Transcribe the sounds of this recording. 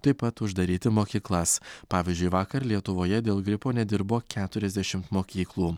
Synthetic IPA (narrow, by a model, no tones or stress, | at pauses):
t̪ɐɪpɐt̪ʊʒd̪ɐɾʲiːt̪ʲɪmoːkʲiːklˠɐspɑːʋʲiːzʲd͡ʒʲʊɪʋɑːkɐɾlʲiɛt̪ʊʋoːjɛd̪ʲeːlˠɡɾʲɪpoːnʲɛd̪ʲɪɾboːkʲæːt̪ʊɾʲɛzʲd̪ʲæʃʲɪmt̪moːkʲiːklˠuː